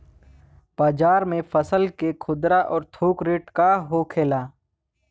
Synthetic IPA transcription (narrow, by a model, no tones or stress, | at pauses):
b̥aːd͡ʒaːɾmẽfəsəlkekʰʊd̪ɾaʔɔːɾt̪ʰoːkɾeːʈkaɦokʰeːlaː